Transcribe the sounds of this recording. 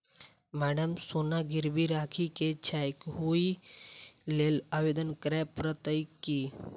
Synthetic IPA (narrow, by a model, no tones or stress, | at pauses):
maːɖəmsonaɡiɾbiɾaːkʰiket͡ʃʰajkɦui | lelaːʋed̪ənkɾɛpɾət̪əjkːi